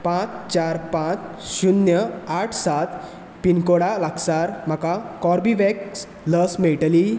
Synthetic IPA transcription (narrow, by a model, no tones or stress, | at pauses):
pãt͡st͡ɕaɾpãt͡s | ɕunjəaʈʰsat̪ | pinkoɽalaksaɾm̤akakɔɾbiʋɛks | ləsmeʈəli